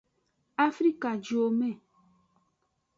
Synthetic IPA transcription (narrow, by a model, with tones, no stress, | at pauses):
a˦fɾi˦ka˨d͡ʒo˨mɛ̃˦˨